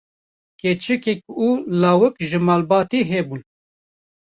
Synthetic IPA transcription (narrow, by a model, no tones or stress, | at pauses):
ket͡ʃɨkɛk̚uːlaːwɨkʒɨmaːlbɑːt̪iɦɛbun